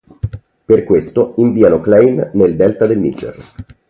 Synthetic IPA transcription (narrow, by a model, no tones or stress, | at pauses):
perkwest̪oiɱviːanoklɛjnːeld̪ɛlt̪ad̪elnit͡ʃḛr